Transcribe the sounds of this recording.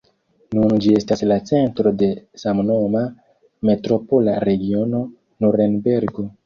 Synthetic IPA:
nund͡ʒie̞staslat͡se̞ntɾo̞de̞samno̞ma | me̞tɾo̞po̞laɾe̞ɡio̞no̞ | noɾenbe̞ɾɡo

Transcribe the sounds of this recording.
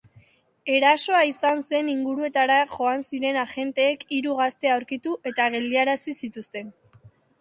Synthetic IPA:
e̞ɾaso̞aisanse̞niŋɡuɾue̞t̪aɾaʝo̞ansiɾe̞naʝe̞nt̪e̞ːkiɾuɣ̞ast̪e̞awɾkit̪uʔe̞t̪aɣe̞ld̪iaɾasisit̪ust̪e̞n

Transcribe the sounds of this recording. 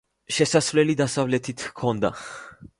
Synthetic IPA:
ʃɛsasvlɛlid̪asavlɛt̪ʰit̪ʰkʰɔnd̪a̰

